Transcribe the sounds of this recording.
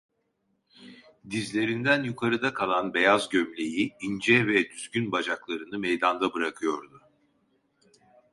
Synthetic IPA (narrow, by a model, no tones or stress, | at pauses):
d̪izlʲe̞ɾind̪ænjukʰaɾɯd̪akʰalˠanbe̞jazɟømlʲe̞jiind͡ʒɛvɛd̪yzɟynbad͡ʒaklˠaɾɯnɯmejd̪and̪abɯɾakʰɯjo̞ɾd̪ʊ